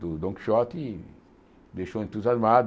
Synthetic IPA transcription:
d̪ʊd̪õŋki̥ʃɔt̪ɪ | d̪ejʃoẽnt̪uzazmad̪

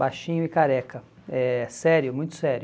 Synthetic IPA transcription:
bajʃĩɲʊɪkaɾɛkɐ | ɛsɛɾjʊmũj̃t̪ʊ̥sɛɾj

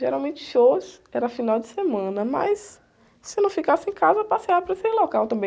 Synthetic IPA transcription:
ʒeɾawmẽnt͡ʃɪ̥ʃos | ɛɾɐafinawd͡ʒɪsemɐ̃nɐmɐ̰sː | ɪnɐ̃w̃fikasɪẽkazɐpasiapɾesɪlokawt̪ɐ̃mbẽ

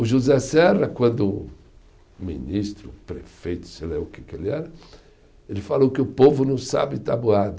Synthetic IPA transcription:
ʊʒuzɛsɛrɐkwɐ̃nd̪ʊ | mḭ̃nist̪ɾʊpɾefejt̪ʊ̥selɛʊkekelɪɛɾɐ | elɪfalowkɪʊpovʊnɐ̃w̃sa̰bɪt̪abuad̪ɐ

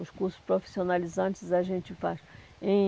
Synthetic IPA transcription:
ʊskuɾsʊ̥spɾofi̥sionalizɐ̃nt͡ʃɪzaʒẽnt͡ʃɪfaʃ | ẽ

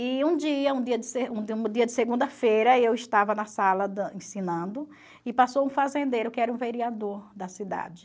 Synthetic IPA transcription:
iũd͡ʒiɐũd̪iɐd̪ɪseũũd͡ʒ̪iɐd͡ʒɪseɡũnd̪ɐfejɾɐewɪʃt̪avɐnɐsalɐd̪ɐẽsĩnɐ̃nd̪ʊ | ɪpasowũfazẽnd̪eɾʊkɪɛɾɐũveɾiad̪oɾd̪ɐsid̪a̰d͡ʒɪ

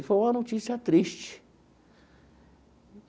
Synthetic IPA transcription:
foũãnõt͡ʃisjat̪ɾiʃt͡ʃi̥

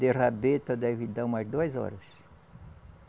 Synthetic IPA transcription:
d̪erabet̪ɐd̪ɛvɪd̪ãmazd̪uɐzɔ̰ɾɐs

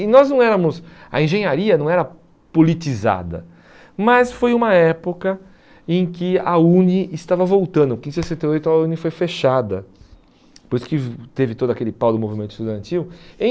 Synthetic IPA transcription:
ɪnɔznɐ̃w̃ɛɾɐmʊsɐ̰ẽʒẽɲaɾiɐnɐ̃w̃ɛɾɐ | polit̪iza̰d̪ɐ̰ | mɐsfojũmɐɛpokɐ | ẽj̃kɪɐuniɪst̪avɐvowt̪ɐ̃nd̪ʊkĩzsesẽnt̪eojt̪ʊɐunifojfeʃad̪ɐ | poɾisʊ̥kɪt̪evɪt̪od̪ʊakelɪpawd̪ʊmovimẽnt̪ʊ̥st̪ud̪ɐ̃nt̪iwẽ

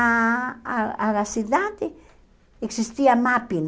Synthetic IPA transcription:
alasiðad̪e | eksist̪iamapin

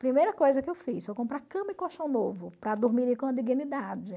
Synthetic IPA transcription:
pɾimejɾɐkojzɐkɪewfisfojkõpɾaɾkɐ̃mɐɪkoʃɐ̃w̃novʊpɾɐd̪uɾmiɾikõɐd̪iɡĩnid̪ad͡ʒɪ

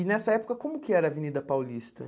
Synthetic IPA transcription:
ɪnɛsɐɛpʊ̥kɐkõmʊkɪɛɾɐːvenid̪ɐpawlist̪ɐ

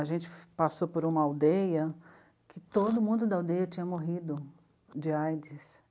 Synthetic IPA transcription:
aʒẽnt͡ʃɪ̥pasopoɾũmɐawd̪ejɐ | kɪt̪od̪ʊmũnd̪ʊd̪ɐawd̪ejɐt͡ʃĩɲɐmoɦid̪ʊ | d͡ʒɪajd͡ʒɪs

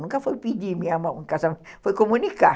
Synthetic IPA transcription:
nuŋkafaipidimiamauŋkasamfaikomunika

